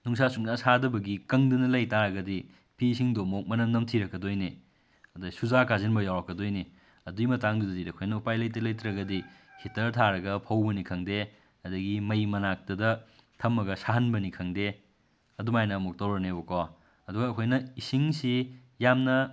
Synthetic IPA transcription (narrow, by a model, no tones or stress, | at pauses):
nuŋsasuŋnɐsadɐbɐɡikɐŋdɐnɐlɐjtaɾɐɡɐdi | pʰisiŋdomok̚mɐnɐmnɐmtʰiɾɐkːɐdojni | ɐdɐsuzakazenbɐjawɾɐkːɐdojni | ɐduimɐtaŋdudɐdidɐkʰojnɐupajlɐjtɐlɐjtɾɐɡɐdihitɐɾtʰaɾɐɡɐpʰɐwbɐnikʰɐŋde | ɐdɐɡimɐjmɐnak̚tɐdɐ | tʰɐmːɐɡɐsaɦɐnbɐnikʰɐŋde | ɐdumajnɐmok̚tawɾɐnebɐkɔ | ɐduɡɐːkʰojnɐisiŋsi | jamnɐ